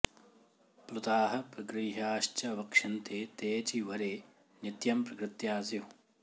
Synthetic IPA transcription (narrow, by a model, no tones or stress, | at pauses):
pɾɐt̪aːɦɐpɾɐɡɾiːɦaːʃt͡ʃɐʋɐkʂɐnt̪ʰeːt̪eːt͡ʃiʋɐɾeː | nɪt̪jɐmpɾɐkɾɪt̪jaːzjo